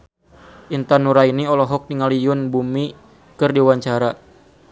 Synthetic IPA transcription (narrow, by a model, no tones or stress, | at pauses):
ʔint̪anuɾainiɔlɔɦɔk̚niŋalijʊnbumi | kɨrdiwaɲt͡ʃaɾa